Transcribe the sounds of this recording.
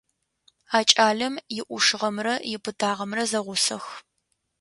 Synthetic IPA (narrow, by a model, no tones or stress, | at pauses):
aːt͡ʃʼaːɮɐmjɪʔʷʊʂɨʁɐmrɐjɪpʰɨdʰaːʁɐmrɐzɐʁʷʊsɐx